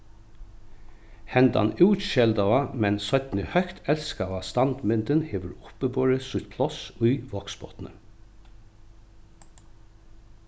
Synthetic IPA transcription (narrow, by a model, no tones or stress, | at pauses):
hɛnd̪a̰nʉːʃɛld̪awamɛnsœt̪nɪhœkt̪ʰɛlskaʋast̪ɑnt̪mɪnt̪ənheːʋəɹʊ̥pəbɔɹɪsʊt̪pʰlɔsʊjʋɔksbɔ̰t̪nə̰